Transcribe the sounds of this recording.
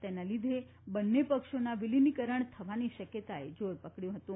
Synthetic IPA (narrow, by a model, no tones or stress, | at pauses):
t̪ɛnalid̪ʱe | bənːepəkʂonaʋilinikəɾəɳt̪ʰəʋaniʃəkjət̪aed͡ʒoɾpəkɽjũɦət̪ũ